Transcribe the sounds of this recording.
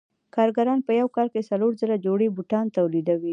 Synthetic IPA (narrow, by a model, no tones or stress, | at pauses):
kɑɾɡaɾɑnpəjawkɑɾkesaloɾzəɾad͡ʒoɽibuʈɑnt̪awlid̪awi